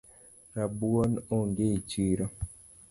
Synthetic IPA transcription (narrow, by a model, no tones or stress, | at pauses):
ɾabuɔnoŋɡet͡ʃiːɾa